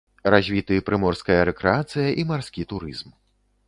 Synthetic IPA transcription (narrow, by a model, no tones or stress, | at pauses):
ɾazʲvʲit̪ɨpɾɨmɔrskɐjɐɾɛkɾɛat̪sɨjɐʔimarskʲit̪uɾɨ̰zm